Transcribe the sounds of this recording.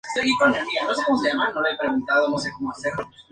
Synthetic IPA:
seɣikonemianosekomseamalnomepɾeɣunt̪aðonos̬ekomoase

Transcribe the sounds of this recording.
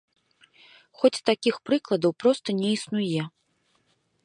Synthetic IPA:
xɔt͡sʲt̪akʲixpɾɨklˠɐd̪ɐwpɾɔst̪ɐnʲɛisnujɛ

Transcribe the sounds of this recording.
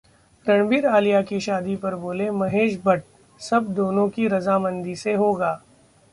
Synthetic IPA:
ɾɐɳ̃biːɾaːlijakiʃaːd̪ipɐɾboːlemɐɦeːʃbɐʈ̚ | sɐb̚d̪oːnõkiɾɐzamɐ̃nd̪iseɦoːɡaː

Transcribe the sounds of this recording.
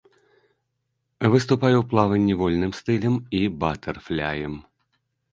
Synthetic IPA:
vɨst̪upajɛwplˠavɨnʲːɛvɔlʲnɨmst̪ɨlʲɛmibat̪ɐrflʲajɛm

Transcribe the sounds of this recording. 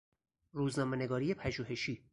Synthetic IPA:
ɾuːznɒːme̞ne̞ɡɒːɾiːepʰæʒuːɦe̞ʃiː

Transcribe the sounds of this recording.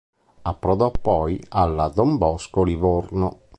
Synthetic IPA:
apːɾɔðɔpːɔjalːad̪ɔmbɔskolivoɾno

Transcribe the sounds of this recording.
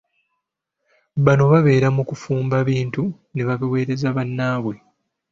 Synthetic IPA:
βano̞βaβe̞ːɾamukufuːmbaβiːntu | ne̞βaβiwe̞ːɾezaβanːaːβwe̞

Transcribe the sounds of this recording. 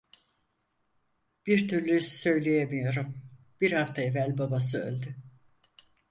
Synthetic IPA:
b̥iɾt̪ʰyɾlʲyssø̞jlʲejemijo̞ɾum | b̥iɾhaft̪ʰaevælʲbabas̬ɯø̰lʲd̪y

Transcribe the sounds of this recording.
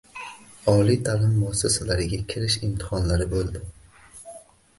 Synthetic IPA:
ɒlijt̪ʰalɪmːʊasːasalaɾɪɡʲakʲʰɪɾɪʃɪmt̪ʰɪ̥hɒnlaɾɪbolˠd̪ɪ

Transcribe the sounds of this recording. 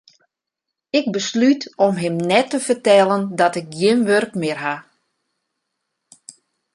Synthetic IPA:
ɪk̚bəslytɔmɦɪmnɛtəfərtɛlˠəndɔtɪk̚ɡjɪnʋørkmɪərɦa

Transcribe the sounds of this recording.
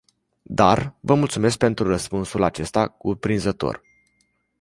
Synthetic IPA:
d̪arvəmult̪sume̞sk̚pe̞nt̪ɾurəspunsulat͡ʃe̞st̪akupɾinzət̪o̞̰r

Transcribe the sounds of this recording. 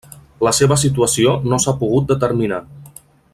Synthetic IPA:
ləseβəs̬it̪uəsionosapuɣ̞ut̪̚d̪ət̪əɾmina

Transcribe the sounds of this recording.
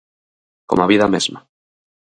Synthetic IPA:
komaβiðamezma

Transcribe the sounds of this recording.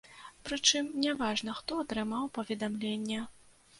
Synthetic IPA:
pɾɨt͡ʂɨmnʲɛvaʐn̪ɐxt̪ɔat̪ɾɨmawpɐvʲɛd̪amlʲenʲːɛ

